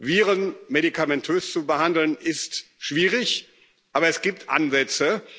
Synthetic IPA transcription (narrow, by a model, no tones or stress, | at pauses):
viːʁənmeɾikʰamɛntʰøːst͡subəɦandl̩nɪstʃv̥iːʁɪç | ʔaːbɐɛsɡ̥iːp̚tʰʔa̰nzɛt͡sə